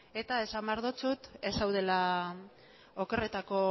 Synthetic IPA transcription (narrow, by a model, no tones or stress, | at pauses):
e̞t̪ae̞samaɾðot͡sut̪e̞sawð̞e̞la | oke̞ret̪ako̞